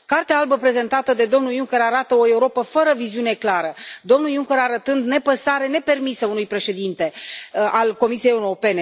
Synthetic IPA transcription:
kart̪eaalbəpɾe̞ze̞nt̪at̪əd̪e̞d̪o̞mnuljuŋkʲe̞ɾaɾat̪əo̞e̞uɾo̞pəfəɾəviziune̞klaɾəd̪o̞mnuljuŋkʲe̞ɾaɾət̪ɨnd̪ne̞pəsaɾe̞ne̞pe̞rmisəunujpɾe̞ʃe̞d̪int̪e̞alko̞misijejeuɾo̞pe̞ne̞

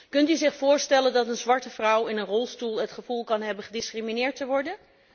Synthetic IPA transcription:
kɵntyzɪχfʊːɹstɛləndɑtənzʋɑɹtəvrʌwɪnənrɔlˠstulˠɦətχəv̥ulˠkɑnɦɛbənχədɪskriminɪːɹtəʋɔɹdən

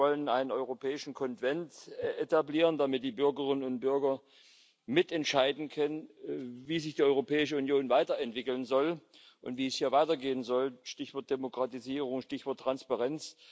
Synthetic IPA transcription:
ɔlənʔaɪnənɔʏʁopʰɛːɪʃn̩kʰɔnv̥ɛntʔetabliːʁəndamɪt̚d̥iːbʏɐɡəʁɪnənʊntb̥ʏɐɡɐ | mɪtɛntʃaɪdn̩kʰœnənviːzɪçd̥iːɔʏʁopʰɛːɪʃəunjoːnvaɪtɐɛntv̥ɪkl̩nzɔl | ʔʊ̰ntv̥iːɛshiːɐvaɪtɐɡeːənzɔlʃtɪçv̥ɔɐt̚d̥emokʁ̥atiziːʁʊŋʃtɪçv̥ɔɐtːʁ̥anspaʁɛnt͡s

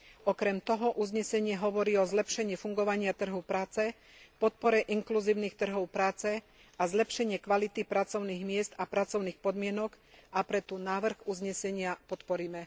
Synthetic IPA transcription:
ɔkɾɛmt̪ɔɦɔʔuzɲɛsɛɲɪɛɦɔʋɔɾiːɔzlɛpʃɛɲɪifuŋɡɔʋaɲɪat̪r̩ɦupɾaːt͡sɛ | pɔt̪̚pɔɾɛʔiŋkluziːʊniːxt̪r̩ɦɔʊpɾaːt͡sɛ | azlɛpʃɛɲɪɛkʋalit̪ipɾat͡sɔʊniːɣmɪɛzt̪apɾat͡sɔʊniːxpɔd̪mɪɛnɔk | ʔapɾɛt̪unaːʋr̩ɣuzɲɛsɛɲɪapɔt̪pɔɾiːmɛ

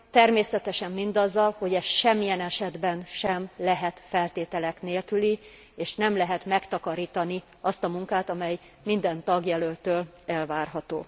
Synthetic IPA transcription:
t̪ɛrmeːsɛt̪ɛʃɛmːind̪ɒzːɒlho̞ɟɛʃɛmːijɛnɛʃɛd̪bɛnʃɛmlɛɦɛt̪fɛlt̪eːt̪ɛlɛkneːlkyli | eːʃnɛmlɛɦɛt̪mɛkt̪ɒkɒɾiːt̪ɒni | ɒst̪ɒmuŋkaːt̪ɒmɛj | mind̪ɛnt̪ɒɡjɛlølt̪øːl | ɛlvaːrɦɒt̪o̰ː

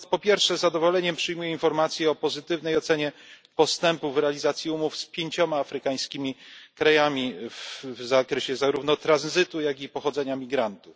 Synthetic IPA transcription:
pɔpʲjɛɾfʂɛzad̪ɔvɔlɛɲɛmpʂɘjmujɛinfɔɾmat̪sʲjɛɔpɔzɘt̪ɘvnɛjɔt̪sɛɲɛ | pɔst̪ɛmpuvɾɛalʲizat̪sʲjiumufspʲjeɲt͡ɕɔmaːfɾɘkaj̃skʲimʲikɾajamʲivvzakɾɛɕɛzaɾuvn̪ɔt̪ɾanzɘt̪ujaɡʲipɔxɔd̪zɛɲamʲiɡɾant̪uf

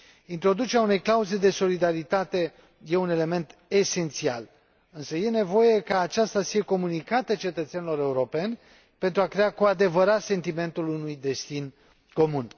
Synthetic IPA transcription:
int̪ɾo̞d̪ut͡ʃe̞ɾʲaune̞jklauze̞d̪e̞so̞lid̪aɾit̪at̪e̞ | je̞une̞le̞me̞nt̪e̞se̞nt̪sia̰l | ɨnsəje̞ne̞vo̞je̞kaːt͡ʃast̪afieko̞munikat̪ət͡ʃe̞t̪ət̪senilo̞ɾe̞uɾo̞pe̞nʲ | pe̞nt̪ɾuakɾe̞akoad̪e̞vəɾat̪se̞nt̪ime̞nt̪ulunujd̪e̞st̪in | ko̞mun

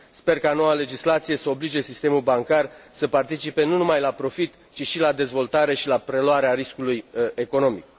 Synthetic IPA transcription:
spe̞rkano̞wale̞d͡ʒislat̪sije̞səo̞blid͡ʒe̞sist̪e̞mulbaŋkarsəpart̪it͡ʃipe̞nunumajlapɾo̞fit̪ | t͡ʃiʃilad̪e̞zvo̞lt̪aɾe̞ʃilapɾe̞loaɾeaɾiskuluje̞ko̞no̞mḭk̚

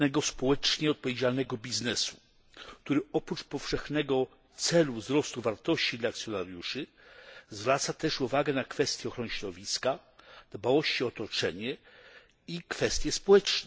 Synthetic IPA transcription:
nɛɡɔspɔwɛt͡ʂɲɛɔt̪̚pɔvʲjed͡ʑalnɛɡɔbʲiznɛsu | kt̪uɾɘɔpɾut͡ʂpɔfʂɛxnɛɡɔ | t̪sɛluvzɾɔst̪uvaɾt̪ɔɕt͡ɕid̪laːkt̪sʲjɔnaɾjuʂɘ | zvɾat̪sat̪ɛʂuvaɡɛnakfɛst̪ʲjɛɔxɾɔnɘɕɾɔd̪ɔvʲiskad̪bawɔɕt͡ɕiɔt̪ɔt͡ʂɛɲɛ | ikfɛst̪ʲjɛspɔwɛt͡ʂnɛ

